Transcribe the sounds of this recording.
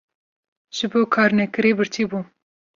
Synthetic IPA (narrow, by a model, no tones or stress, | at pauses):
ʒ̥ɨboːkʰɑːɾnɛkɨɾeːbɨɾt̪ʰibuː